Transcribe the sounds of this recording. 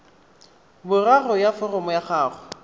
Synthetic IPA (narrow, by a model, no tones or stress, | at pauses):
bʊrarɔjafɔrɔmɔjaχaːχʊ